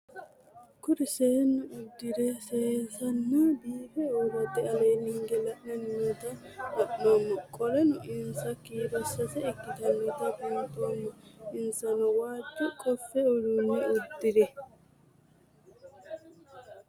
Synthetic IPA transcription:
kʊɾɪseːnːʊʊd̪ːɪd̪ɛseːzɐnːɐbiːbɛoːɾɐt̪ːɛɐleːnɪŋɡɛlɐʔmɐnmiːt̪ɐɐʔmomːɔkʼɔlɛnʊʔɪnsɐkːiːɾɐsɐsɛɪɡːɪt̪ɐnːiːt̪ɐbʊnt̪oːmːɔɪnsɐnɔwaːd̪ːɛkʼɔfːɛʊɾunːɛʊd̪ːɪd̪ɛ

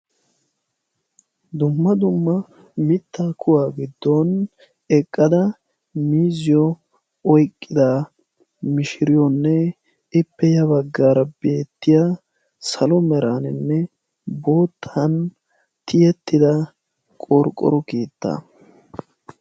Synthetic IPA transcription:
d̪ʊmːɐd̪ʊmːɐ | mɪt̪ʰːaːkʰʊwaːɡɪd̪ːon | ɛkʼːɐd̪ɐ | miːzɪjɔ | ɔjkʼːɪd̪a | mɪʃɪɾɪjɔnːɛ | ɪpːɛjɐbɐɡːaːɾɐbe̞ːt̪ːɪja | sɐlɔmɛɾaːnɪnːɛ | bo̞ːt̪ʰːɐn | t̪ʰɪjɛt̪ːɪd̪ɐ | kʼɔɾkʼːɔ̰ɾɔkeːt̪ːa̰

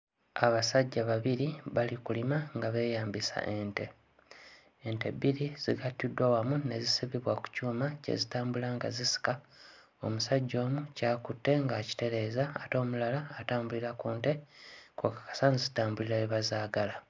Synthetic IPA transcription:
aβasaɟːaβaβiɾiβalikulimaŋɡaβe̞ːjaːmbisa̰ʔe̞nte̞ | ente̞̰biɾiz̥iɡatːidwawamune̞zisiβiβwaku̥cuːmace̞̰zitaːmbulaŋɡa̰zisi̥ka | omusaɟːo̞ːmucaːkutːe̞ŋɡaci̥te̞ɾe̞ːzaːto̞ːmulalaːtaːmbuliɾakuːntekokḁkḁsanzitaːmbuliɾaiβazaːɡala

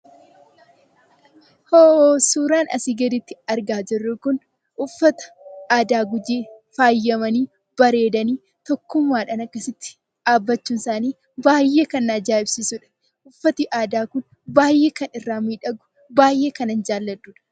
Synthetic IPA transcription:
hoːosuːɾaːnʔɐ̰siɡɐd̪ɪt̪ːɪɐɾɡaːd͡ʒɪrːʊkʊn | ʔʊfːɐt̪ɐ̥ | ʔaːd̪aːɡʊd͡ʒeː | faːjːɐmɐniː | bɐɾe̞ːd̪ɐniː | t̪ɔkːʊmːaːᶑɐnɐkːɐsɪt̪ːɪ̥ | ᶑaːbːɐt͡ʃːuːnsaːniː | baːjːe̞ːkɐnːɐd͡ʒaːɪb̥sisʊᶑɐ̥ | ʔʊfːɐt̪iʔaːd̪aːkʊn | baːjːe̞ːkɐnɪrːaːmiːᶑɐɡʊ̥ | baːjʔe̞ːkɐnɐnd͡ʒaːlːɐd̪uːᶑɐ̥

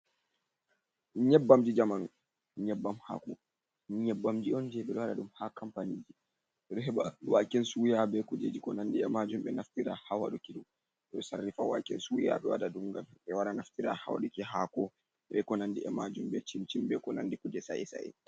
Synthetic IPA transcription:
ɲɛbːamd͡ʒid͡ʒaman | ɲɛbːamha̰kɔ | ɲɛbːamd͡ʒiɔnd͡ʒɛɓɛɗɔwaɗaɗumhakampanid͡ʒi | ɛɗɔɦɛɓawakːɛnsujabɛkud͡ʒed͡ʒikɔnandiɛmad͡ʒumɓɛnaftiɾahawa̰ɗukiɗum | ɛɔsarːifawakːɛnsuja̰ɓɛwa̰ɗaɗumɡamɓɛwaɗanaftiɾa̰ha̰wa̰ɗɔkiɦakɔ | ɗɛkɔnandiɛmad͡ʒumɓɛt͡ʃimt͡ʃimbɛkɔnandikud͡ʒɛsa̰jɛ̰sa̰jɛ̰

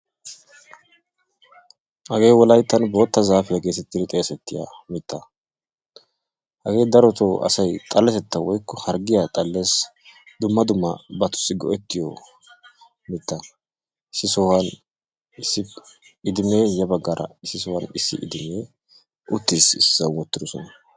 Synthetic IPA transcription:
hɐɡe̞ːwɔlɐjt̪ːɐnbo̞ːt̪ːɐzaːfɪjaɡe̞ːsɛt̪ːɪd̪ɪt̪ʼeːsɛt̪ːɪja̰mɪt̪ːɐ | hɐɡe̞ːd̪ɐɾɔt̪oʔɐ̰sɐjt̪ʼɐlːɛsɛt̪ːɐwɔjkːɔhɐɾɡɪjat̪ʼɐlːe̞ːs | d̪ʊmːɐd̪ʊmːɐ̰bɐt̪ʊ̥sːɪɡɔ̰ʔɛt̪ːɪjɔ̰ | mɪt̪ːɐ | ɪsːɪsɔwɐn | ɪsːɪ | ɪd̪ɪme̞ːjɐbɐɡːaɾʔɐ̰ɪsːɪs̬ɔwɐnɪsːɪ̰ʔɪd̪ɪmeː | ʔʊt̪ːɪsɪsːɐwwɔt̪ːɪd̪ɔsɔnɐ

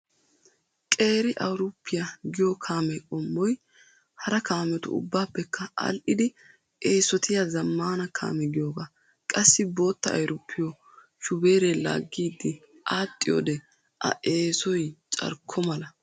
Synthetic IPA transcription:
kʼe̞ːɾɪʔɐwɾʊpːɪjaɡɪjɔkʰaːmɛkʼɔmːɔj | hɐɾɐkaːmɛt̪ʊ̰ʊ̰bːaːpːɛkːɐɐ̰lʔɪd̪ɪ | ʔeːsɔt̪ɪjazɐmːaːnɐkʰa̰ːmɛɡɪjoːɡa | kʼɐsːɪbo̞ːt̪ːɐɐ̰jɾʊpʰːɪjɔ | ʃʊbe̞ːɾela̰ːɡːiːd̪ːɪ | ʔaːt̪ʼːɪjo̰ːd̪ɛ | ʔɐ̰ʔeːsɔjt͡ʃʼɐ̰ɾkʰːɔmɐlɐ

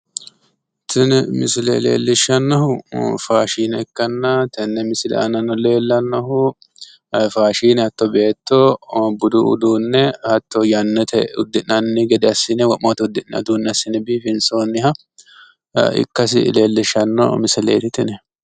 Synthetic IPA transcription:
t̪ɪnmɪsɪlḛːlḛːlːɪʃːɐnːɐhʊfaːʃiːnɛɪkːɐnːɐt̪ɛnːɛmɪsɪlɛ̰ʔɐnɐnːɔle̞ːlːɐnːɐhʊ | faːʃiːnɛhɐt̪ːɔbe̞ːt̪ːɔbʊd̪ʊʊ̰d̪uːnːɛhɐt̪ːɔjɐnːɛt̪ʰɛʊ̰d̪ːɪnɐnːɪɡɛd̪ɛɐsːɪnɛwɐmot̪ʊd̪ɪnɐ̰d̪uːnːɛɐsːɪnɛbiːfɪnsoːnːɪhɐ | ɪ̰kːɐs̬ɪ̰le̞ːlːɪʃɐnːɔ̰mɪsɪlḛːt̪ɪt̪ɪnɛ

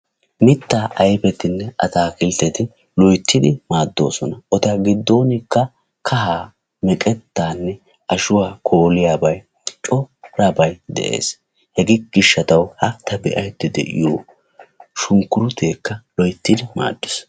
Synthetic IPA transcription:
mɪt̪ːaːʔɐjfɛt̪ɪnːɛʔɐ̰t̪aːkɪlt̪ːɛt̪ɪ | lɔjt̪ʰːɪd̪ɪmaːd̪ːo̞̰ːsɔnɐʔɔt̪ɐɡɪd̪ːo̞ːnɪkːɐ | kʰɐɦaː | mɛkʼɛt̪ːaːnːɛ | ʔɐʃʊwaːkʰo̞ːlɪjaːbɐj | t͡ʃʼɔɾabɐjd̪ɛ̰ʔḛːs | hɛɡɪɡɪʃːɐt̪ɐwhɐt̪ʰɐbɛ̰ʔɐjt̪ːɪd̪ɛ̰ʔɪ̰joː | ʃʊŋkːʊɾʊt̪e̞ːkːɐlɔjt̪ːɪd̪ɪma̰ːd̪ːɪs

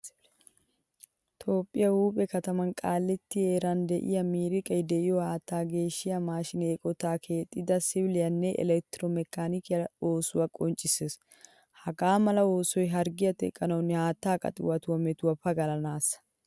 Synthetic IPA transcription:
t̪ʰo̞ːpʼːɪjɐhuːpʼɛkɐt̪ɐmɐnkʼaːlːɛt̪ːɪeːɾɐnd̪ɛʔɪ̰jɐmiːɾɪkʼɐjd̪ɛʔɪjɔhaːt̪ːaːɡe̞ːʃːɪjɐmaːʃɪneːkʼɔt̪aːkʰeːt̪ʼːɪd̪ɐsɪblɪjɐnːɛʔɛ̰lɛk̚t̪ɾɔmɛkːaːnɪkɪjɐo̞ːsʊwɐkʼɔnt͡ʃʼːɪseːs | hɐɡaːmɐlɐo̞ːsɔjɦɐɾɡɪjɐt̪ɛ̰kʼːɐnɐwnɪhaːt̪ːaːkʼɐ̰t̪ʼɪwɐt̪ʊwɐmɛt̪ʊwɐpɐɡɐlɐnaːsɐ̥

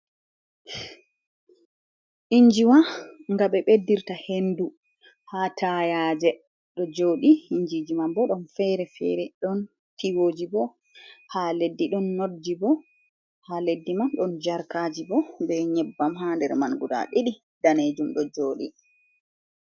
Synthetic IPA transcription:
ʔiɲd͡ʒiwaŋɡaɓɛɓedːiɾtahendu | hatʰajaːd͡ʒɛ | ɗɔd͡ʒoːɗiiɲd͡ʒid͡ʒimambɔɗɔnfɛɾɛfɛ̰ɾɛɗɔn | tiwoːd͡ʒibɔ | haledːiɗɔnːodːibɔ | haledːimanɗɔnd͡ʒaɾkaːd͡ʒibɔbɛɲɛbːamɦandɛɾmanɡuɗa̰ɗiɗi | d̥aned͡ʒumɗɔd͡ʒoːɗḭ

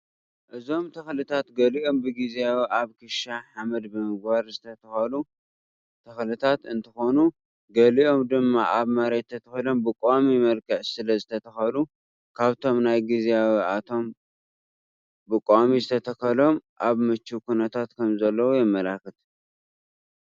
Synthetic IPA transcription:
ʔɨzo̞mt̪ʰɐxlɨt̪ʰat̪ɡɐliʔo̞mbɨɡizijawiʔaβkʰɨʃaħamɐd̪bɨmɨɡ̚baɾzɨt̪ʰɐt̪ʰɐxɐlu | t̪ʰɐxlɨt̪ʰat̪ɨnt̪ʰɨxo̞nu | ɡɐliʔo̞md̪ɨmːaʔaβmɐɾett̪ʰːɐt̪ʰɐxilo̞mbɨkʼomimɐlkɐʕsɨlɐzɨt̪ʰɐt̪ʰɐxɐlu | kʰaβt̪ʰo̞mnajɡizeawiat̪ʰo̞m | bɨkʼoʔmizɨt̪ʰɐt̪ʰɐkɐlo̞mʔaβmɨt͡ʃːukʰunɐt̪ʰat̪kʰɐmzɐlːɐwujɛmːɐlakɨt̪

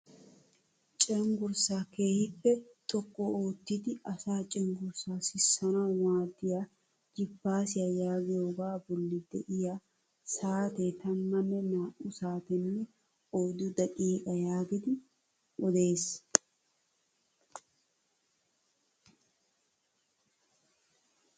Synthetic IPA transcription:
t͡ʃʼɛŋɡʊɾsaːke̞ːhɪpːɛt̪ʼɔkːɔoːt̪ːɪd̪ɪʔɐsaːt͡ʃʼɛŋɡʊɾsaːsɪsːɐnawaːd̪ːɪja | d͡ʒɪbːaːsɪjajaːɡɪjoːɡaːbɔlːɪd̪ɛ̰ʔɪja | saːt̪et̪ɐnmɐnːɛnaːʔʊsaːt̪ɛnːɛ | oːd̪ʊd̪ɐkʼiːkʼɐjaːɡɪd̪ɪ | ɔd̪e̞ːs

